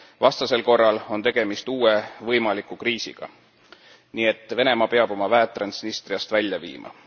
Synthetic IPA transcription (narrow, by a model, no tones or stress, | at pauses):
vɑst̪ɑse̞lko̞rːɑlo̞nt̪e̞ɡ̥e̞mist̪uːe̞vɤjmɑlikukriːsḭɡ̥ɑ̰ | niːe̞t̪ːˑve̞ne̞mɑpe̞ɑb̥o̞mɑvæet̪ːˑrɑnsnist̪riɑst̪vælʲjɑvḭːmʔɑ̰